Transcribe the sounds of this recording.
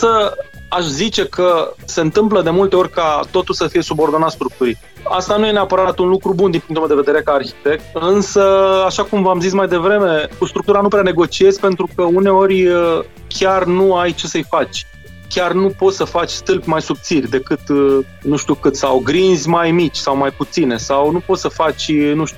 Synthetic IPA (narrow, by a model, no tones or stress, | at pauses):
ɨnsəaʃzit͡ʃe̞kʰəse̞ɨnt̪ɨmpləd̪e̞mult̪e̞o̞ɾʲkat̪o̞t̪ulsəfije̞subo̞rd̪o̞nat̪st̪ɾuk̚t̪uɾit̪̚ | a̰st̪anuje̞neapəɾat̪unlukɾubund̪inpuŋkt̪ulmed̪eved̪eɾekaːrçi̥t̪e̞k̚t̪ɨnsəaʃakumvamzis̬majd̪e̞vɾe̞me̞kust̪ɾuk̚t̪uɾanupɾʲeane̞ɡo̞t͡ʃie̞zʲpe̞nt̪ɾukəune̞o̞ɾʲə | kʲarnuajt͡ʃe̞səjfat͡ʃʲ | kʲarnupo̞t̪səfat͡ʃʲst̪ɨlpʲmajsup̚t̪sirʲd̪e̞kɨt̪ | nuʃt̪ʲukɨt̪sawɡɾinzʲmajmit͡ʃʲsawmajput̪sine̞sawnupo̞t̪səfat͡ʃʲnuʃt̪u